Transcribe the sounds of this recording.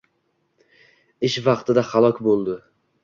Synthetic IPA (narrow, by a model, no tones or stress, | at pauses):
ɪʃvɑqt̪ʰɪd̪aχalˠɒkʲbolˠd̪ɪ